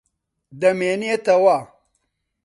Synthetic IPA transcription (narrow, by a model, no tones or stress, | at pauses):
d̪ɐmeːniet̪ɐwa